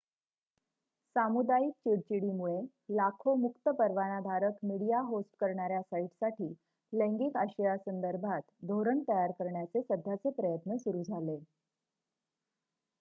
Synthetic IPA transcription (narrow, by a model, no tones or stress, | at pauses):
samud̪aik̚t͡ɕiɽt͡ɕiɽimuɭe | lakʰomukt̪əpəɾʋanad̪ʱaɾəkmiɽijaɦosʈkəɾɳaɾjasaiʈsaʈiː | lẽŋɡiːkaɕəjasənd̪əɾbʱat̪d̪ʱoɾəɳt̪əjaɾkəɾɳjat͡sesəd̪ʱːat͡sepɾəjət̪nəsuɾuːd͡zʱale